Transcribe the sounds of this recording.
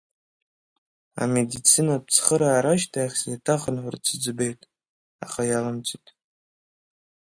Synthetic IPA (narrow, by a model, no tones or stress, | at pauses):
a̰me̞dit͡sʰinap̚ʰt͡sʰχəɾaːɾaʃtʰaaχʲsitʰaχənħʷʊrt͡sʰɨd͡zbe̞jtʼ | a̰χajalamt͡sʰʷʼitʼ